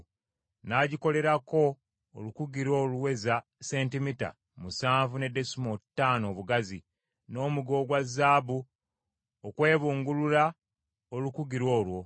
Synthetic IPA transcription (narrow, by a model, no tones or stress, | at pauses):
naɟiko̞le̞ɾako̞̰ː | lukuɡiɾwo̞ːluwe̞zase̞ːntimita̰ | musaːɱvune̞de̞sumotːaːno̞ːβuɡazi | no̞ːmuɡo̞ɡwazːaːbu | okwe̞ːβuːŋɡulula | olukuɡiɾwo̞ːlwo̞